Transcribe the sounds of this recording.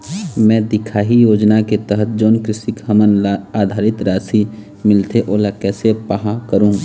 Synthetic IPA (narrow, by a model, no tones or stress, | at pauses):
mɛ̃ːd̪ɪkʰaːɦijoːd͡ʒnaket̪əɦət̪̚ʰd͡ʒoːnkɾɪsɪkhəmənaːd̪ʱaːɾɪt̪ɾaːsi | mɪlt̪eʔoːlakɛːsepaɦakəɾũː